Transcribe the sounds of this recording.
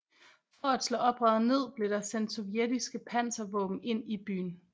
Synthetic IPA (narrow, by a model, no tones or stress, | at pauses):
fɒæd̥slɔ̰̽ːɒ̽b̥ʁɑðˠne̝ð̞̰ˠb̥le̝ɾ̥ɑ̈sen̰d̥sɒ̽ʋied̥isɡ̥əpʰæn̰sɐʋɔ̰̽ːb̥m̩e̝n̰ib̥y̰ːn̩